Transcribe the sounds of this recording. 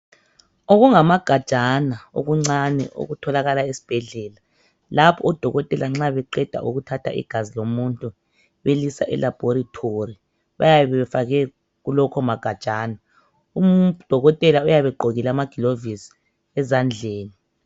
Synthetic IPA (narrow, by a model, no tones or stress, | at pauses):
oɣuŋamaɡ̥ʱad̥t͡ʃʼanao̰ɣuŋ͡ǀanɛ̰ʔo̰ɣutʰɔlaɣalaesi̥b̥ʱɛɮɛːla | lapʰɔːd̥ʱɔɣɔtʼɛlaŋ͡ǁaβɛǃɛd̥ʱa̰ʔuɣutʰatʰa̰ḭɡ̥ʱazilomuntʼu | βelisa̰ʔɛ̰lab̥ʱoɾitʰori | βa̰jaβɛβɛɛfaɣɛ | ɣulɔkʰɔmaɡ̥ʱad̥ʒ̥ʼaːna | umd̥ʱɔɣɔtʼɛlaujaβɛɡ͡ǃʱoɣilamaɡ̥ʱilovisi̥ | ɛzand͡ɮʱeːni